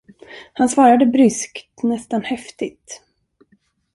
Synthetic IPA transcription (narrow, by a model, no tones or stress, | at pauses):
hansvɑːɾad̪əbɾʏskt̪nɛst̪anhɛft̪ɪt̪